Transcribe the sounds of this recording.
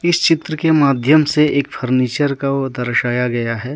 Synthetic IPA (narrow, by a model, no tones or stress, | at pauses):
ɪst͡ʃɪt̪ɾəkemaːd̪ʱjəmseeːkpʰɐɾniːt͡ʃəɾkad̪ɐɾʃaːjaɡɐjaɦɛː